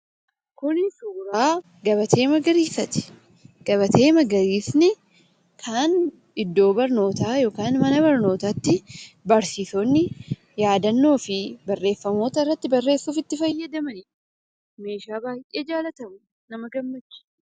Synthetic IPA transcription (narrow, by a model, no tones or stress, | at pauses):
kʊnɪsuːɾaː | ɡɐβɐt̪ʰe̞ːmɐɡɐɾiːsɐt̪ɪ̥ | ɡ̥ɐbɐt̪ʰe̞ːmɐɡɐɾiːsnɪ | kʰaːn | ɪd̪ːo̞ːbɐɾno̞ːt̪aːjo̞ːkaːnmɐnɐbɐɾno̞ːt̪aːt̪ːɪbɐɾsiːsonːɪ | jaːd̪ɐnːo̞ːfɪbɐrːeːfːɐmo̞ːt̪ɐɪrːɐt̪ːɪbɐrːe̞ːsːuːfɪt̪ːɪfɐjːɐd̪ɐmɐnɪᶑ | me̞ːʃaːbaːjʔeːd͡ʒaːlɐt̪ɐmʊ | nɐmɐɡɐmːɐt͡ʃːɪ̥